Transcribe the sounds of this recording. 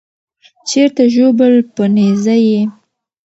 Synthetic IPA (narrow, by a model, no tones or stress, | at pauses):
t͡ʃeɾt̪aʒobəlpənezaje